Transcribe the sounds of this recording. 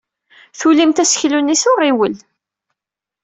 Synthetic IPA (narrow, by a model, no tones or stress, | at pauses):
θulimt̪æsə̥çlunːisʊʁiwəl